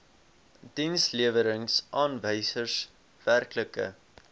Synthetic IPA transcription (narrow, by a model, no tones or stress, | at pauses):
d̥insliəvəɾəŋsʔɑːnvəjsərs | værkləkə̰